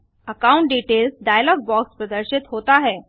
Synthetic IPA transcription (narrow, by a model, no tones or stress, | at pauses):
əkaũɳʈ̚ɖiʈelsɖajəlɔɡ̚bɔkspɾəd̪əɾɕit̪ɦot̪aɦɛ